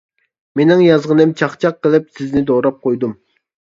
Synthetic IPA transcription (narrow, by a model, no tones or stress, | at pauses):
menɪŋjɑzʁənɪmt͡ʃʰɑχt͡ʃʰɑqːəlˠɪpsɪznɪd̪oɾɑp̚qʰojd̪um